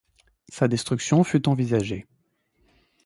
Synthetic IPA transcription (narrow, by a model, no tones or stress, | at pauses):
sad̪ɛst̪χyksjɔ̃fyt̪ɑ̃vizaʒe